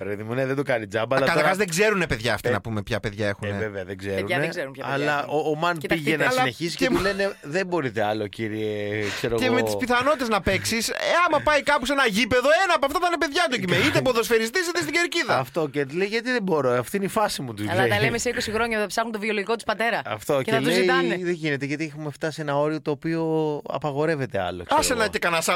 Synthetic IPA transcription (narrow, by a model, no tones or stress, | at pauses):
pɾeðimuneðed̪okɐnid͡zɐbɐlɐkɐlɐɾɣɐzðeɡze̞ɾunepe̞ðʝɐːft̪inɐ̰pumepçɐpe̞ðʝae̞xuneveveɐðeɡzeɾuɐneɡzeɾuɐɐlɐʔoːmɐntpiʝenɐlsɐneçisi̥eleneðebo̞ɾit̪eɐlo̞ciɾiekseɾoɣemeispiθɐno̞t̪it̪e̞znɐpeksiseɐmɐpɐjkɐposenɐʝipe̞ðo̞e̞nɐːpɐft̪ɐt̪ɐnepe̞ðʝɐt̪̬ocimeit̪epoðosfeɾist̪is̬it̪est̪iɡeɾciðɐɐft̪o̞cet̪leiʝɐt̪iðebo̞ɾoɐft̪oineifɐsimut̪uzɐlɐt̪ɐlemeseikosixɾo̞ɲɐtɐpsɐxunt̪ovioloʝikot̪u̥spɐt̪e̞ɾɐɐ̰ft̪o̞ceeɐleziiɐnðeʝine̞t̪eʝɐt̪iɛxumeft̪ɐsienɐo̞ɾio̞t̪o̞ːpio̞ɐ̰pɐɣo̞ɾe̞ve̞t̪eɐ̰lo̰kesenɐt̪ekɐnɐsɐ